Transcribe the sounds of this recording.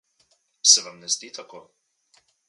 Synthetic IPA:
sɛʋamnɛzd̪it̪ʰakoː

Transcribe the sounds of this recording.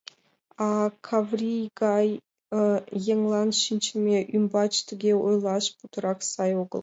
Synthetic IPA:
ɑkʰavrʲijɡɑj | jeŋlˠɑnʃint͡ʃɪmʲeʔymbɑt͡ʃt̪ʰɪɡʲeujlˠɑʃput̪ə̆ɾɑksɑjoɡə̰̆lˠ

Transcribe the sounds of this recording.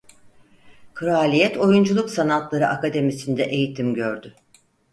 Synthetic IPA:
kʰɯɾaːlʲijɛt̪ʰo̞jund͡ʒulˠuksanat̪lˠaɾɯʔakad̪e̞misind̪ɛʔe̞jit̪ʰimɟøɾd̪ʏ

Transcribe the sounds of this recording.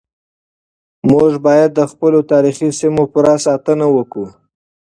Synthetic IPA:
moʐbɑjad̪̚ːəxpəlot̪ɑɾixisimopəɾasɑt̪ənawəku

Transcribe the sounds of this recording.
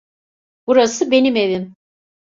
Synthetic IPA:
b̥uɾasɯbe̞nimeðin

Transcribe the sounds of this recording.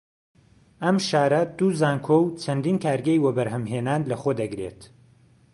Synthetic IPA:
ɐmʃaːɾɐd̪uzaːŋkʰowt͡ʃʰɐnd̪iːnkʰaːɾɡɐjwɐbɐɾɦɐmɦeːnaːnlɐχoːd̪ɐɡɾḛt̪

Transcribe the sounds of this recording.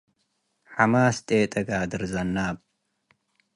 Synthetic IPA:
ħamaːst̪ʼeːt̪ʼɐɡaːd̪ɨɾzɐnːaːb̚

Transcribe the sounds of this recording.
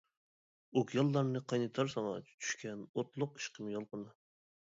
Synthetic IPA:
okʰjɑlˠːɑɾnɨqʰɑjnɨt̪ʰɑɾsɑŋɑ̰t͡ʃʰy̥ʃkʲɛnot̪lˠʊqi̥ʃqʰəmjɑlˠqənɨ

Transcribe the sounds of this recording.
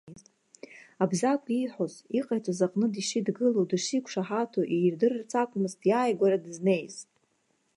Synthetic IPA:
zt | abzakʷʰʼiħoziqʼajtʰʼazaqʼnɨdiʂidɡɨlowdɨʂikʷʰʂaħatʰoʔirdɨrrt͡sʰakʷʼmɨztʰʼjaːjɡʷaɾadɨzne̞jz̥ʼ

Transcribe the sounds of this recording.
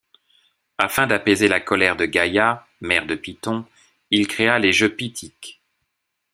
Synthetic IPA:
afɛ̃d̪apezelakɔlɛʁd̪əɡaja | mɛʁd̪əpit̪ɔ̃ | ilkχealeʒøpit̪ʰik

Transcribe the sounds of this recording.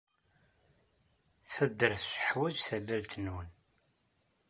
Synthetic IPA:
θəd̪ːəɾθʃə̥ħwæd͡ʒθælːælt̪ənwən

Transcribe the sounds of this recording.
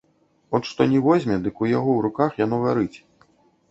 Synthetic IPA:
ɔt̪ʂt̪ɔnʲɛvɔzʲmʲɛd̪ɨkujaɣɔwɾukaxjan̪ɔɣaɾɨt͡sʲ

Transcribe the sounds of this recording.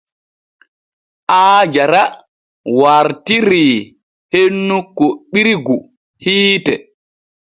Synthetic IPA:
ʔaːd͡ʒaɾa | waɾtiɾi | henːukoɓiɾɡu | hiːtɛ

